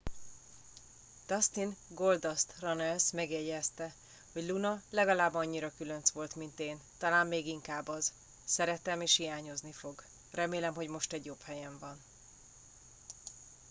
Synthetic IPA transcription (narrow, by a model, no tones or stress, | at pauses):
t̪ɒst̪inɡo̞ld̪ɒst̪rɒnɛlsmɛɡjɛjɛst̪ɛ | ho̞ɟlunɒlɛɡɒlaːbɒɲːiɾɒkylø̞nsʋo̞lt̪mint̪eːnt̪ɒlaːmːeːɡiŋkaːbɒz | sɛɾɛt̪ɛmeːʃhijaːɲo̞znifo̞ɡ | rɛmeːlɛmɦo̞ɟmo̞ʃt̪ɛɟjophɛjɛɱvɒn